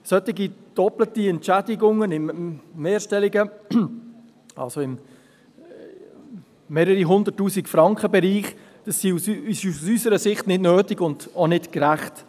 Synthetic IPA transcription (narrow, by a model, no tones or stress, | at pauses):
sœtɪɡid̥ɔplətiɛntt͡ʃɛdɪɡʊŋːənɪmmeːɾʃtɛlɪɡə | ɑ̰lsoɪm | eːɾəɾiɦʊnd̪ətːuːsikfɾɑŋkχəbɛɾiːχ | d̥ɑsːiusɪʃsysəɾəsɪχtnɪdnøːtɪɡʊnd̥onɪtkɾæχt